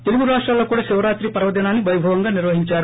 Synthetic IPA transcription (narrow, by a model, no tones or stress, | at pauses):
t̪eluɡuɾaːʂʈɾaːlːoːkuːɽaːʃiʋɐɾaːt̪ɾipɐɾɐʋɐd̪inaːnːiʋɐjbʱɐʋɐŋɡaːniɾʋɐɦiɲt͡ʃaːɾu